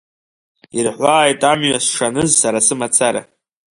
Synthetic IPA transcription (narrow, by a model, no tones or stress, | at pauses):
irħʷaːjtʼamɥasʂanɨzːaɾasɨmat͡sʰaɾa̰